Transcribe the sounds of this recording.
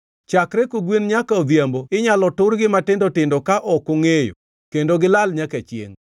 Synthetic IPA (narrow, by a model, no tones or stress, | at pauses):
t͡ʃakɾɛkoɡwinɲakaod̪jamboɪɲalɔtʊɾɡɪmatɪndɔtɪndɔkaʔɔkoŋejo̰ | kendoɡɪlalɲaket͡ʃjḛŋ